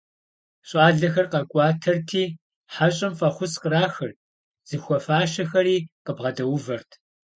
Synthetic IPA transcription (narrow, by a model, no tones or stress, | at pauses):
ɕʼɑːɮɐxɐrqɐkʷʼɑːtʰɐrtʰiː | ħaɕʼɐmfɐχʷʊsqəɾaːxɨr | z̥ɨxʷɔfaːʃɐxɐɾiːqəbʁɐdɐwʊvɐrtʰ